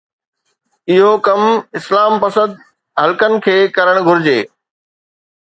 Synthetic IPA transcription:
ɪɦokɐmɪslaːmpɐsə̃d̪̚ | ɦɐlkənɪ̆kʰeːkɐɾəɽ̃ɡʱʊɾɪd͡ʑeː

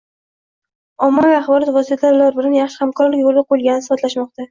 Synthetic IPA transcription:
ɒmːaviaχbɒlˠɒt̪vɒsijt̪ʰaɾlaɾbɪlanjaχʃɪ̥hamkʰɒɾlɪkʲolˠɪbolˠɡʲanɪsɪfat̪laʃmɒq̚t̪a

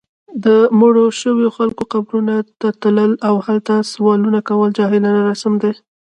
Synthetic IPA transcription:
d̪əmoɽoʃəwjoxalkoqabɾunat̪at̪ləlawhalt̪aswɑlunakawəld͡ʒɑɦɪlanaɾasamd̪e

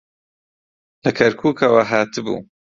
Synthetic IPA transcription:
lɐkʰɐɾkʰuːkʰɐwɐɦaːt̪ɨbṵː

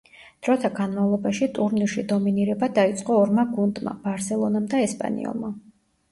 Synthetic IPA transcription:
d̪̥ɾɔt̪ʰaɡanmavlˠɔbaʃit̪ʼuɾniɾʃid̪ɔminiɾɛbad̪ait̪sʼqʼɔːɾmaɡund̪ʼma̰b̥aɾsɛlˠɔnamd̪aɛspʼa̰nḭɔ̰lˠma

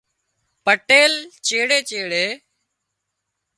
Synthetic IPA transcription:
pəʈeːlt͡ʃeːɽeːt͡ʃeːɽeː

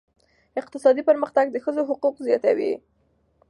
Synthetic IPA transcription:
ɪqt̪ɪsɑd̪ipəɾməxt̪aɡ̚d̪əxəzoɦʊquqzjɑt̪awḭ

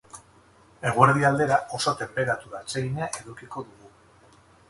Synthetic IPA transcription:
e̞ɣ̞weɾð̞iald̪e̞ɾao̞so̞t̪e̞mpe̞ɾat̪uɾat͡seɣiɲeaʔe̞ðukiko̞ðuɣu

